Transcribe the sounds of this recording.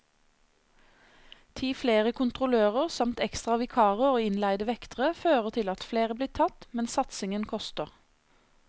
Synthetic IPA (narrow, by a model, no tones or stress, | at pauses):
t̪ʰiːfleːʁəkʰʊnt̪ʁʊløːʁəʁsɑmt̪ɛkst̪ʁɑʋɪkʰɑːʁəoːɪnlæɪd̪əʋɛkt̪əʁəføːʁət̪ʰɪlɑt̪fleːʁəbliːt̪ʰɑt̪mɛnsɑt̪sɪŋənkʰɔst̪əʁ